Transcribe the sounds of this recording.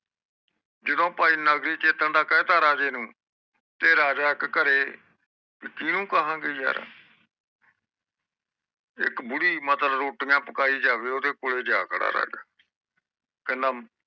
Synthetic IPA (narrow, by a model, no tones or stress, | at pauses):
d͡ʒed̪õːpaːiːnəɡɾiːt͡ʃeːt̪əɳd̪aːkɛ̃ːt̪aːɾaːd͡ʒeːnũː | t̪eːɾaːd͡ʒaːɪkkəɾeː | kɪkɪnũːkəɦãːɡeːja̰ːɾ̰ | ɪ̰kbʊɽiːmət̪lbɾoːʈjãːpəkaːiːd͡ʒaːʋeːoːd̪eːkoːleːd͡ʒaːkʰɽa̰ːɾa̰ːd͡ʒaː | kɛ̃ːnd̪aːm